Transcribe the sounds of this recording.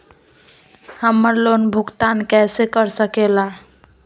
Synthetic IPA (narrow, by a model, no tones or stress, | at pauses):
həmːəɾlonbʱuɡt̪ankɛsekəɾsəkela